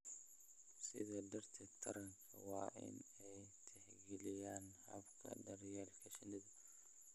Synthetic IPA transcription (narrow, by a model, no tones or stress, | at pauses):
sɪ̰ðɐd̪ɐrt̪ʰɛt̪ʰɐɾɐŋkʰɐwɑːʔɪ̰nɛjt̪ʰɛhɡɛlɪjaːnhɐ̰bkʰɐ̰dɐrjɛːlkʰɐʃɪnɪðɐ